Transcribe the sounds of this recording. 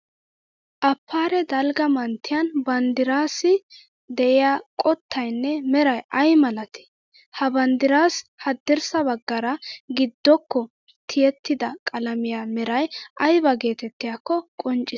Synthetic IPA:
ʔɐpːaːɾɛd̪ɐlɡɐmɐnt̪ʰːɪjɐnbɐnd̪ɪɾaːsɪ | d̪ɛʔɪjaːkʼɔt̪ːɐjnːɛmɛɾɐjɐjmɐlɐt̪ɪ̥ | hɐbɐnd̪ɪɾaːshɐd̪ːɪɾsɐbɐɡːɐɾɐɡɪd̪ːɔkːɔ | t̪ʰɪjɛt̪ʰːɪd̪ɐkʼɐlɐmɪjaːmɛɾɐjʔɐjbɐɡe̞ːt̪ɛt̪ːɪjakːɔkʼɔnt͡ʃʼːɪ

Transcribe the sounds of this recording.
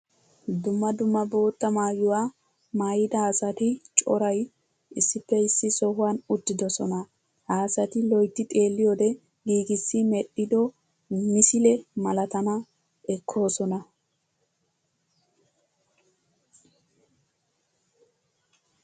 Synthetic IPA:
d̪ʊmːɐd̪ʊmːɐbo̞ːt̪ːɐmaːjʊwaː | maːjɪd̪ɐːsɐt̪ɪt͡ʃʼɔ̰ɾɐj | ɪsːɪpːɛɪsːɪsɔɦʊwanʊt̪ːɪd̪ɔsɔnɐ | haːsɐt̪ɪlɔjt̪ːɪt̪ʼe̞ːlːɪjoːd̪ɛ | ɡiːɡɪsːɪmɛɗːɪd̪ɔ | mɪsɪlɛmɐlɐt̪ɐnɐ | ʔɛkʰːo̞ːsɔnɐ

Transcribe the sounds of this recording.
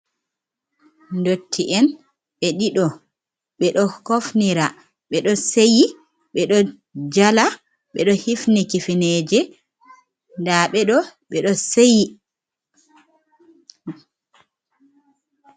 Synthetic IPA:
ndotʰːiʔɛn | ɓɛɗiɗɔ | ɓɛɗɔkofniɾa | ɓɛɗɔseji | ɓɛɗɔ | d͡ʒala | ɓɛ̰ɗɔhifnikifineːd͡ʒɛ | ndaɓɛɗɔɓɛɗɔseji

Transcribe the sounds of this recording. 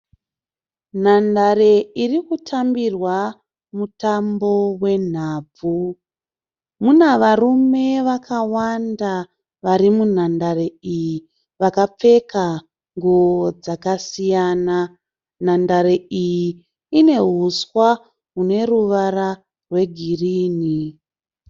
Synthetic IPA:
n̤andaɾe̞irikutʰambirwa | mutambo̞we̞n̤aːb͡vu | munaʋarume̞ʋakʰawanda | ʋaɾimun̤andare̞iji | ʋakap͡fe̞ka | ŋɡuod͡zakasijaːna | n̤andaɾeiji | ine̞ɦuswa | ɦune̞ruʋaɾa | rwe̞ɡʱiriːni

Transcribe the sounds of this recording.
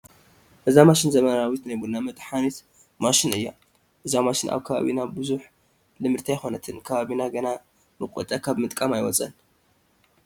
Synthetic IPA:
ʔɨzamaʃɪnzɐmɐnawit̪najbunːamɨt̪ʼħanit̪ | maʃɪnɨjːa | ʔɨzamaʃɪnʔa̰βkʰɐβa̰βinabɨzuħ | lɨmɨɾt̪ʰajxo̞nɐt̪ʰɨnkʰɐβaβinaɡɐna | mɨkʼɔt̪ʼɐkʰaβmɨt̪ʼkʼamajwɔt͡sʼɐn

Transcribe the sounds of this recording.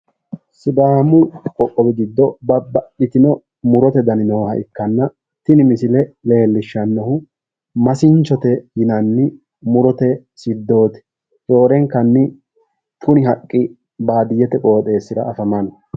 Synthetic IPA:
sɪd̪aːmʊkʼɔkʼːɔbɛɡɪd̪ːɔbɐbɐɪt̪ɪnɔ | mʊɾɔt̪ɛd̪ɐnɪnowhɐʔɪkːɐnːɐ | t̪ɪnɪmɪsɪlɛle̞ːlːɪʃːɐnːɔhʊ | mɐsɪnt͡ʃːɔt̪ɛjɪnɐnːɪ | mʊɾɔt̪ɛ | sɪd̪ːo̞ːt̪ɛ̥ | jo̞ːɾɛŋkɐnːɪ | tʰʊnɪɦɐkʼːɪ | baːd̪ɪjːɛt̪ɛkʼo̞ːt̪ʼe̞ːsːɪɾɐ̰ːfɐmɐn

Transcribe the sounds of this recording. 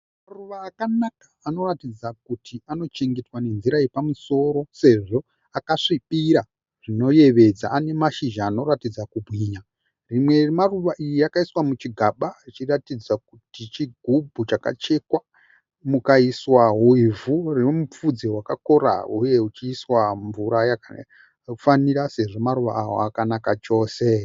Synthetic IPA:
maruʋaːkanakḁːno̞ratid͡zak̚utʰiano̞t͡ʃe̞ŋɡe̞twane̞nziɾaepamuso̞ɾo̞se̞ʐo̞ | akaʂiɓiɾa | ʐ̥ino̞je̞ʋe̞d͡zaːne̞maʃiʒaːno̞ɾatid͡zakubʱwiːɲa | rimwe̞maruʋaʔijiakaiswamut͡ʃiɡʱaɓait͡ʃiratid͡zak̚utit͡ʃiɡʱubʱut͡ʃaka̰t͡ʃe̞kwa | mukaiswaɦuivurinomup͡fud͡zewakako̞ɾa̰ɦuje̞ut͡ʃiːswaɱvuɾaja | faniɾase̞ʐo̞maɾuʋa̰ːwo̰akanakat͡ʃo̞ːse̞

